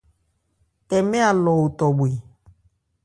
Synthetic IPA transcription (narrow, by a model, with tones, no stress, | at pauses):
tɛ˨me˦a˨lɔ˨wu˨t̪ɔ˨bwe˨